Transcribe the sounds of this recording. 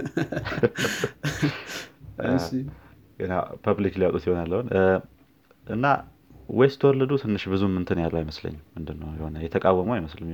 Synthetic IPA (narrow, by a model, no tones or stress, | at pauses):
ɡənapʰaβlikliwat̪ʼut̪jihonjalːəhun | ʔɨnːa̰ | wɔjst̪ʰəwɔlːəd̪ut̪ʰɨnːɨʃbɨzumːɨnt̪ʰɨnjalːəwjɪməslə̰ɲːmɨnd̪ɨnːə̰wjɛho̞nəjɛt̪ʰəkʼawːəməwaiməslɨɲ